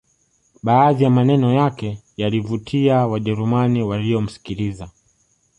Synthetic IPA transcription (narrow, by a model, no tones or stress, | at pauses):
ɓaːðijamanɛnɔjakɛ | jalivutʰiawaʄɛɾumaniwalijɔm̩si̥kiliza